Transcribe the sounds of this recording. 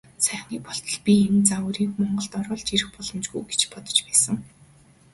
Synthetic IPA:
sæːχniːpɔɬt̪ɞ̆ɮpʲient͡sawəɾiːkmɔɴɢɞ̆ɮt̪ɔɾʊːɮt͡ɕiɾɘ̆xpɔɮɞ̆mt͡ɕɡujɡe̥t͡ɕpɔt̪ɞ̥̆t͡ɕpæːsə̆ŋ

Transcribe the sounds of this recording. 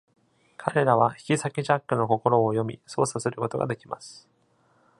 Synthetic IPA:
kʰaɾe̞ɾaβ̞açi̥kʲisakʲiʑakːɯ̟no̞ko̞ko̞ɾo̞ːjo̞mʲḭso̞ːsasɨɾɯ̟ko̞t̪o̞ɡa̰d̪e̞kʲima̰sɨ̥

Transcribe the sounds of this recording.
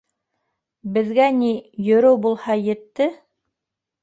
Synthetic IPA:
bɘ̆ðɡænijɵ̆ɾɘwbulˠhɑjɘ̆t̪ːɘ

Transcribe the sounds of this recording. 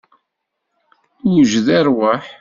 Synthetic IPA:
juʒðæɾwaħ

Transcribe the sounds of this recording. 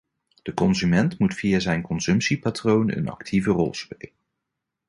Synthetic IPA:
d̥əkɔnzymɛntmutfiːazɛjnkɔnsɵmpsipatrownə̰nɑ̰ktʰivərɔ̰lˠspejlən

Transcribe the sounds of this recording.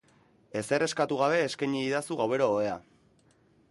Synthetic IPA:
e̞se̞re̞skat̪uɣaβ̞e̞ːskaɲiːðasuɣawe̞ɾoːea̰

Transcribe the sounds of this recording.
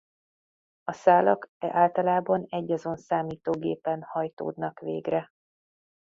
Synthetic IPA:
ɒsaːlɒkɛʔaːlt̪ɒlaːbɒnɛɟːɒzo̞nsaːmiːt̪oːɡḛːpɛnhɒjt̪o̰ːd̪nɒkʋḛːɡrɛ

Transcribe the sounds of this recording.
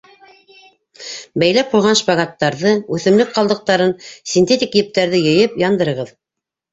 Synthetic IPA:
bæjlæp̚qujʁɑnʃpɑɡat̪ːɑɾðɤʉθɘ̆mlɘk̚qɑlˠd̪ɤ̆q̚t̪ɑɾɤnsʲinʲt̪ʲet̪ʲikjɘ̆p̚t̪æɾðɘjɤ̆jɤpjɑnd̪ɤ̆ɾɤ̆ʁɤð

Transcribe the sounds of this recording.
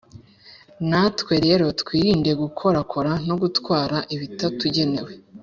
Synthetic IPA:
natkwe̞ɾe̞ɾo̞tkwiːɾiːnde̞ɡukʰo̞ɾakʰo̞ɾano̞ɡutkwaːɾaʔiβitatuɟe̞ne̞we̞

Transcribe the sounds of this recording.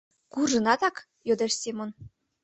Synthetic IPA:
kuʒɤ̆nɑt̪ɑk | jod̪eʃsʲemon

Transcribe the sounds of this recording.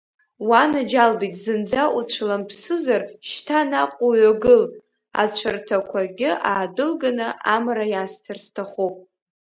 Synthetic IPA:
wanad͡ʒalbitʼzɨnd͡zaʔut͡ɕʷʰlampʰsɨzarʃtʰanaqʷʼuɥaɡɨl | a̰t͡ɕʷʰartʰakʷʰaɡʲɪʔaːdɨlɡanɨʔamrajastʰɨrstʰaχupʼ

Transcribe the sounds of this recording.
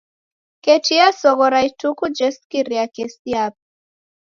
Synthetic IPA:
ketiasɔɣɔɾajtukud͡ʒɛskiɾiakɛsiap̚

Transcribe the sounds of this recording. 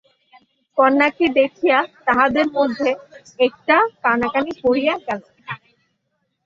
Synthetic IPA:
kɔnːakid̪ekʰijat̪aɦad̪eɾmod̪ʱːe | ek̚ʈakanakanipoɾijaɾkat͡sʰ

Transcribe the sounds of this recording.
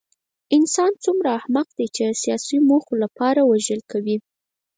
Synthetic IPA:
ɪnsɑnt͡sumɾaːhmaqd̪ejt͡ʃesijɑsimoxolapɑɾawaʒəlkawi

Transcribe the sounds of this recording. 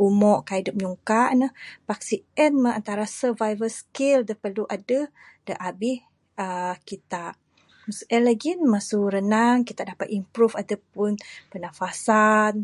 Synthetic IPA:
ʔumɔʔkaidup̚ɲuŋkaʔnəhpaksiɛnməant̪aɾasəvajvəlskildəpərluʔadə | d̥əʔabɪh | əkit̪aʔ | masu̥ʔɛnlaɡinmasuɾənaŋkit̪aʔdapat̪impɾufadapʊnpənafasan

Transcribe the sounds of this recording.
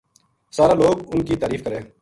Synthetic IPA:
saːɾaːloːɡʊnkiːt̪aːɾiːfkəɾeː

